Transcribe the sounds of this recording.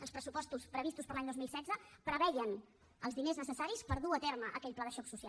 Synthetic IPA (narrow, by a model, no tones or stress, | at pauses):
əlˠspɾəsupɔst̪uspɾəβist̪uspəɾlaɲd̪ozmilˠsɛdd͡zəpɾəβɛʎən | əlzðineznəsəsaɾispəɾðuət̪ɛɾməʔəkɛʎplaðəʃɔksusia̰